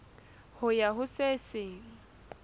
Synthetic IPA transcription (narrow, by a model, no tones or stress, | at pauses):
hʊjaɦʊsesɪːŋ̩